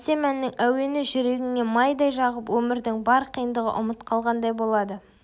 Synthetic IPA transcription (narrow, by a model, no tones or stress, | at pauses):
se̞mænːɪŋæwe̞nɪʒʏɾe̞ɡʲɪŋe̞mɑjd̪ɑjʒɑʁəpwɵmɪɾd̪ɪŋbɑɾqʰəjənd̪əʁə̰ʔʊmət̪qʰɑlˠʁɑnd̪ɑjbo̞lˠɑd̪ə